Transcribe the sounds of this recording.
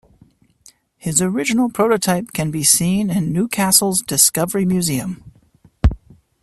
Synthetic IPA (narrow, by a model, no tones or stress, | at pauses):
hɨzə˞ɪd͡ʒɨnl̩ˠpʰɹ̥oʊɾɨtʰaɪp̚kʰɨ̃nbisĩnɪ̃nːʉkʰæsl̩ˠzdɨskʌvə˞imjʉziɨ̃m